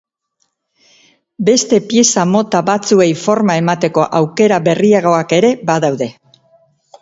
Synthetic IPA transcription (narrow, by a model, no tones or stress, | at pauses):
be̞st̪e̞pie̞samo̞t̪aβat͡sue̞jfo̞ɾmae̞mat̪e̞ko̞ʔawke̞ɾaβe̞riaɣ̞o̞ake̞ɾe̞baðawðe̞